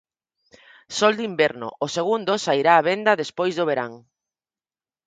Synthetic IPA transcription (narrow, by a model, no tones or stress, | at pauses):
sɔld̪imbɛɾnʊ̰ʔʊseɣund̪osaiɾaːβend̪ɐðespojzðoβeɾaŋ